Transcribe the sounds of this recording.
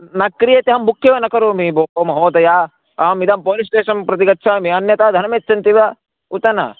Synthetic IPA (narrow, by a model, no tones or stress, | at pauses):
nɐkːɾijɐt̪iɦɐmːukʰːjeʋɐnɐkɐɾumiboːomɐɦoːd̪ɐjaː | aːmid̪ɐmpoːlisʈeːʂɐnpɾɐt̪iɡɐtːʃʰaːmiɐnjɐt̪aːd̪ʱɐnɐmetːt͡ʃːɐnt̪iʋɐ | ut̪ɐnɐ̰